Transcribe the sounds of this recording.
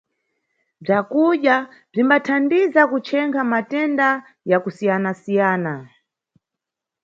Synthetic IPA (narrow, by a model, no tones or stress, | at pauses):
b͡ʐakuɗa | b͡ʐimbatʰandizakut͡ʃʰɛŋkʰamatɛnda | jakusijanasijaːna